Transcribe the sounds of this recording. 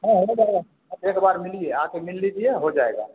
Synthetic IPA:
ɦɛ̃ɦod͡ʒaeɡa | ekbaːɾmilːiɛakemilːid͡ʒʰiɛɦod͡ʒaeɡa̰ː

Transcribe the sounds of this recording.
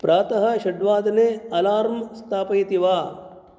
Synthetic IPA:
pɾaːt̪ɐɦɐ̆ʃɐɖʋaːd̪neːɐlaːɾmst̪ʰaːpɐjt̪iʋaː

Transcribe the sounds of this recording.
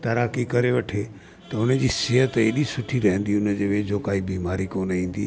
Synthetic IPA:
t̪ɐɾaːkikɐɾeʋɐʈʰe | t̪ɐʊnə̆d͡ʑiːsɪɦət̪eːɗisʊʈʰiɾɐɦə̃nd̪iʊnəd͡ʑeʋed͡ʑoːkaːibiːmaːɾikoːnĩːnd̪iː

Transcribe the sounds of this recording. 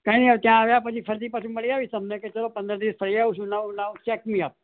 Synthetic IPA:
kaniat̪jãːʋjapət͡ʃʰifʰəɾt̪ipasʰĩməɭiaʋisəmneket͡ʃəlopənd̪əɾd̪iʋəsfʰəɾiaʋũʃũnaũnaũt͡ʃɛkmĩap̚

